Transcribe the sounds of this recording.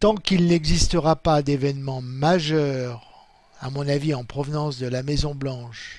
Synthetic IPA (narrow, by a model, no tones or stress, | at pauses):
t̪ɑ̃kilnɛɡzist̪əʁapad̪evɛnmɑ̃maʒœʁ | amɔ̃naviɑ̃pχɔvnɑ̃sd̪əlamɛzɔ̃blɑ̃ʃ